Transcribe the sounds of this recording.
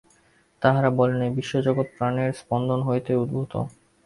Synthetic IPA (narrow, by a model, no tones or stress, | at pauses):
t̪aɦaɾabɔlenebiʃːod͡ʑoɡot̪̚pɾaneɾspɔnd̪ʱonɦoet̪eud̪̚bʱut̪o̰